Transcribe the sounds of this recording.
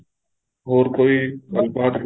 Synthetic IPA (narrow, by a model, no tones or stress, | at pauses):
ɦoːɾkoːiːkaːlbaːt̪k